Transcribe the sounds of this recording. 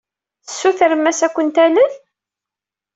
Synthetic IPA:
θə̥sːuθəɾəmæsækʷːənt̪ælən

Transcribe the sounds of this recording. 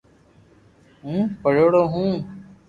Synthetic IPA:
ɦũːpəɽoːɽoːɦũː

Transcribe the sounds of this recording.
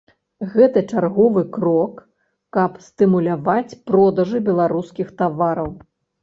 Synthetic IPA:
ɣɛt̪ɐt͡ʂarɣɔvɨkɾɔkː | ɐpsʲt̪ɨmulʲavat͡sʲpɾɔd̪ɐʐɨbʲɛlˠaɾuskʲixt̪avaɾɐw

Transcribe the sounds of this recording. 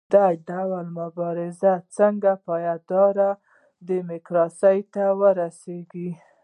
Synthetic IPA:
d̪aɖawalmʊbɑɾɪzat͡səŋɡapɑjad̪ɑɾa | d̪əmɪkɾɑsəjt̪awəɾaseɡi

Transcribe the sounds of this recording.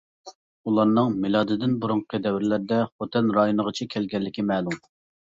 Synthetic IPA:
ulˠɑɾnɨŋmɪlˠɑd̪ɨd̪ɪnbuɾuŋqʰəd̪ɛwɪɾɪlæɾd̪ɛχot̪ʰɛnɾɑjonəʁət͡ʃʰɛkʲʰɛlɡʲɛlːɪkʲimɛːlˠum

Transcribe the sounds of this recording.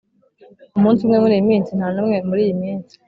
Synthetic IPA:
umuːnsumŋemŋuɾimiːnsin̥hanomŋemuɾijimiːnt͡si̥

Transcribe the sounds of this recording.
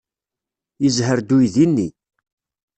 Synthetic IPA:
jəzɦəɾd̪ujðinːi

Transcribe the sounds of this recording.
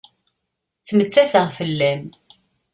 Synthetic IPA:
t͡sːmət͡sːæθəʁfəlːæm

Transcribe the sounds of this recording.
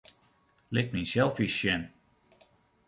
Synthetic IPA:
lɪk̚minsɛlˠfisɛn

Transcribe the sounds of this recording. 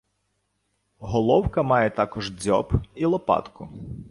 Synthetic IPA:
ɦɔlˠɔwkɐmɑjɛt̪ɑkɔʒd͡zʲɔ̰pilˠɔpɑ̰t̪kʊ

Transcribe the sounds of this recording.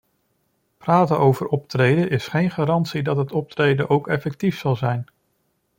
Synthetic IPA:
praːtənowvəɾɔptrejdəʔɪsχejnχaːɾɑntsidɑtɦətɔp̚trejdənʔowkɛfɛk̚tifsɑlˠzɛjn

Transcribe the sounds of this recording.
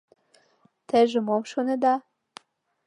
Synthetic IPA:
t̪ĕʒə̆momʃonĕd̪ɑ

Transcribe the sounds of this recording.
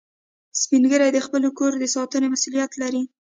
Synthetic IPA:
spiŋɡəɾajd̪əxpəlokoɾd̪əsɑt̪ənemasulijat̪laɾi

